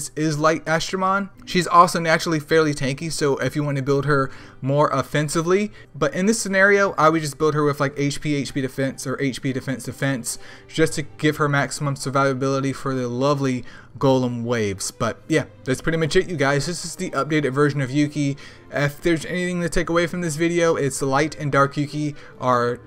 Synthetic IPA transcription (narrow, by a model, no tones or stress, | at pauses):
sɪzlaɪɾæstɹ̥əmɑ̃n | ʃizɔlˠsoʊnæt͡ʃɹl̩ˠifɛɹlˠitʰæ̃ŋkisoʊʔɪfjɨwɑ̃nɨbɪlˠd̚ə˞ | mɔɹʔəfɛ̃nsɨvli | b̥ʌɾʔɨ̃nðɨsɨnɛɹioʊʔaɪwid͡ʒʌsb̥ɪlˠd̚ɦə˞wɨðlaɪkeɪt͡ʃpʰieɪt͡ʃpʰiɾɨfɛ̃nsə˞ʔeɪt͡ʃpʰiɾɨfɛ̃nsd̥ɨfɛ̃ns | d̥ʒ̥ʌstʰɨɡ̥ɪv̥ə˞mæksəmə̃msə˞vaɪvɨbɪlˠəɾifə˞ðɨlʌvli | ɡoʊlˠə̃mweɪvz̥b̥ʌt̚jæðɨtspʰɹ̥ɪɾimɨt͡ʃɪʔjɨɡaɪzðɪsɨzðiʔʌp̚d̥eɪɾɨdvɜ˞ʒɨ̃nʌvjʉki | ɪfðə˞zɛniθɪ̃ŋtʰɨtʰeɪkəweɪfɹʌ̃mðɪs̬vɪɾioʊʔɪtslaɪɾɨ̃ndɑɹkjʉkiʔə˞